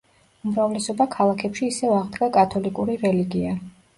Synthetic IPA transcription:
umɾavlɛsɔbakʰalˠakʰɛpʃiːsɛvaʁd̪ɡakʼat̪ʰɔlikʼuɾiɾɛliɡia

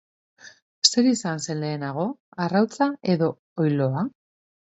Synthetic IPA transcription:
se̞ɾisanse̞nle̞ːnaɣ̞o̞arawt͡sae̞ðo̞ | ojlo̞a

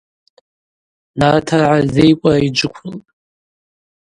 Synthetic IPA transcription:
natʰarʕazejkʷʼaid͡ʒʷɨkʷʰltʼ

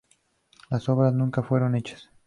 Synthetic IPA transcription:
laso̞βɾaznũŋkafwe̞ɾo̞ne̞t͡ʃḁs

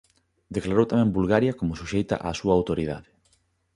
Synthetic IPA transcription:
d̪eklaɾowt̪amɛ̃ŋbulɣaɾjɐkomʊsuʃejt̪ɐ̰ʔaːsuɐːwt̪oɾið̞a̰ðɪ

